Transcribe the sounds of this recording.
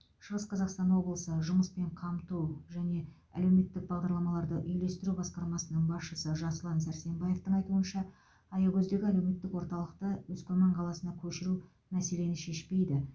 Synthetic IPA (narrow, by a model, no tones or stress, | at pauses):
ʃəʁəsqʰɑzɑqst̪ɑnwo̞blˠəsəʒʊməspe̞ɴqʰɑmt̪uʒæne̞ | æ̰le̞wme̞t̪ːɪk̚bɑʁd̪ɑɾlˠɑmɑlˠɑɾd̪əʔʏjle̞st̪ɪɾubɑsqɑɾmɑsənəɴbɑsʃəsəʒɑslˠɑnsæɾse̞mbɑje̞ft̪əɴɑjt̪uənʃɑ | ɑjɑɡʲʰɵzd̪e̞ɡʲɪælewme̞t̪ːɪkwoɾt̪ɑlˠəq̚t̪əwɵzkʲɵmɑɴqʰɑlˠɑsənd̪ɑkʲʰɵʃɪɾu | mæse̞le̞nɪʃe̞ʃpe̞jd̪ɪ